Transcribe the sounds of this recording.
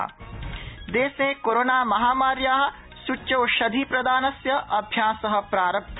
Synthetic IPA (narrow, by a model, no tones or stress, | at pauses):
d̪eːsẽːkoːɾoːnaːmɐɦaːmaːɾjaːɦ | sut͡ʃːʃoːʃɐd̪ʱipɾɐd̪aːnɐsjɐʔɐbʱjãːsɐɦə̆pɾaːɾɐpt̪ʰ